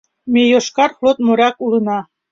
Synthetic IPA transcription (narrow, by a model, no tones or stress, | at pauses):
mejoʃkɑrxlot̪̚moɾʲɑkulənɑ